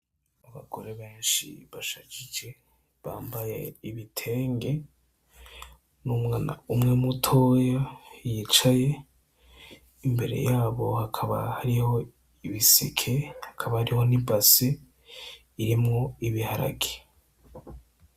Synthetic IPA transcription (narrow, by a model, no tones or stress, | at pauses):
aβa̰ɡ̥o̞ɾe̞βe̞ːnʃḭβaʃacid͡ʒe̞ | βa̰ːmbaje̞̰iβitʰe̞ːŋɡe̞ | numŋaːna̰umŋe̞mutʰo̞ːjajit͡ʃaje̞ | imbe̞ɾe̞̰jaːβo̞hakʰaβa̰haɾiho̞ | iβisḭkʰe̞hakʰaβahaɾiho̞nibase | iɾimŋo̞iβihaɾa̰ɡe